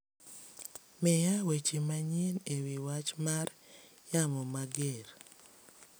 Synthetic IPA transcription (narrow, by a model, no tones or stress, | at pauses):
mejawet͡ʃimaɲinewiwat͡ʃmar | jamɔmaɡeɾ